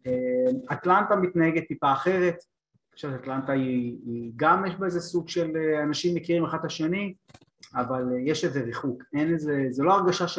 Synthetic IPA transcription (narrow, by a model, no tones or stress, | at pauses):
emat̪lant̪amit̪naheɡet̪̚tipaːχe̞ʁe̞t̪ | ʃavtat̪lant̪aiɡamjeʃbaezesuɡʃe̞leanaʃimːekiʁimaχad̪aʃe̞ni | avaljeʃezeʁiχukenezezelo̞aʁɡaʃaʃ